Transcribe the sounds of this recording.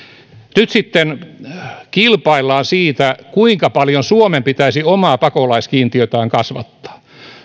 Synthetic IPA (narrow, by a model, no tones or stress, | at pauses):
nyt̪sit̪ːen | kilpɑilːɑːnsiːt̪ækuiŋkɑpɑljonsuomempit̪æisiomɑːpɑkolɑiskiːnt̪iøt̪æːŋkɑsʋɑ̰t̪ːɑ̥ː